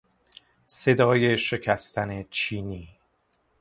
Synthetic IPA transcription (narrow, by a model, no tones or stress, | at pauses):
se̞d̪ɒːjeʃe̞cʰæst̪ʰænet͡ʃʰiːniː